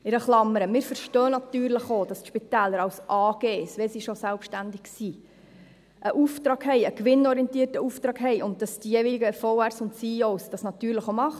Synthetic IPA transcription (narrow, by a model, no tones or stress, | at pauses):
ɪɾəχlɑmːəɾəmɪːɾfəɾʃtœːnɑtyːɾləχoːd̥ɑstʃpit̪æːləɾɑwsʔɑːɡ̥eːsʋɛsiʃosælpʃtændɪksiː | ʔəʔuftɾɑːɡhɛɪəkʋɪnɔɾiɛntiːərtəuːftɾɑːɡɦɛɪʔʊnt̚d̥ɑsd̥ijeːʋiliɡəfɔʊɛɾsʊntsioːsd̥ɑsnɑt̪yːɾləχomɑχ